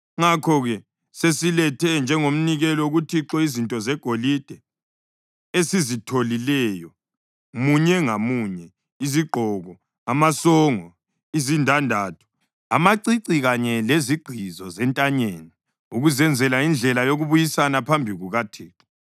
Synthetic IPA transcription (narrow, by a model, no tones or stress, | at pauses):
ŋakʰɔɣɛ | sesilɛtʰɛnd͡ʒʱɛŋom̩niɣɛlɔuɣutʰiǁɔizintʼɔzɛɡ̥ʱolid̥ʱɛ | esizitʰolilɛjɔ | muɲɛŋamuɲɛ | iziɡ͡ǃʱɔːɣɔ | amasɔːŋɔ | izindʱandʱaːtʰu̥ | a̰maǀiǀiɣaɲɛleziɡ͡ǃ̥ʱizɔzɛntʼaɲeːni | uɣuzɛnd͡zʱɛlaind͡ɮʱɛlajoɣuβujisanapʰambʱiɣuɣatʰeːǁɔ̥